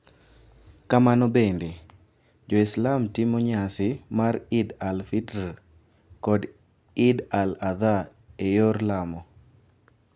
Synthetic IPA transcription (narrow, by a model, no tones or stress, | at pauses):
kamanɔbende | d͡ʒɔislamtimoɲasɪmaɾɪdalfita | kɔd | ɪdalaða | ejoɾlamɔ